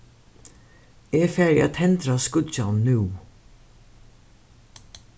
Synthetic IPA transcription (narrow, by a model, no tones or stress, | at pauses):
ɛːfæɹa̰t̪ʰɛnt̪ɾaskʊd͡ʒanːʉː